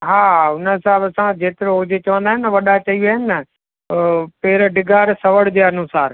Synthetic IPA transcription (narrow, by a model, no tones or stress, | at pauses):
ɦaːʊnəsabəsãd͡ʑeːt̪ɪɾoʊd͡ʑet͡ɕɐʋə̃nd̪aːɦɪnːəʋɐɗat͡ɕɐiaːɦɪnɪɐ | peːɪɾəɖɪɡʱaːɾsɐʋəɽd͡ʑeːɐnʊsaːɾ